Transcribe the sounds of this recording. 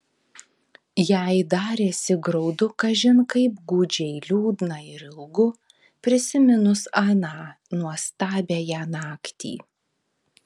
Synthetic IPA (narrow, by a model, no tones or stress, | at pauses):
jæɪd̪ɑːɾʲeːsʲɪɡɾɒʊd̪ʊkɐʒʲɪnkɐɪpɡuːd͡ʒʲɛɪlʲuːd̪nɐɪɾɪlˠɡʊ | pʲɾʲɪsʲɪmʲɪnʊsɑnɑː | nuɔst̪ɑːbʲejæːnɑːkt̪ʲḭː